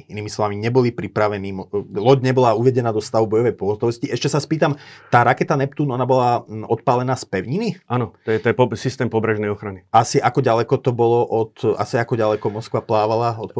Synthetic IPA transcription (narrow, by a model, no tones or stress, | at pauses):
iniːmislɔʋamiɲɛbɔlipɾipɾaʋɛniːmɔlɔɟɲɛbɔlauʋɛɟɛnaːd̪ɔst̪aʋubɔjɔʋɛjpɔɦɔt̪ɔʋɔsciɛʃcɛsaspiːt̪amt̪aːɾakɛt̪anɛpt̪unɔnabɔlaɔt̪paːlɛnaːspɛʊɲiniʔanɔt̪ɔɛt̪ɔjɛpɔsist̪ɛːmpɔbɾɛʒnɛjɔxɾaniasiʔakɔɟalɛkɔt̪ɔbɔlɔʔɔt̪a̰siakɔɟalɛkɔmɔskʋaplaːʋalaɔt̪p